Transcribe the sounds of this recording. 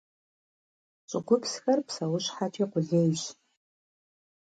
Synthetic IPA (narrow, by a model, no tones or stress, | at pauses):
t͡ʃʷʼʊɡʷʊpʰsxɐrpʰsɐwʊʃħatʰiqʷʊɮejʃ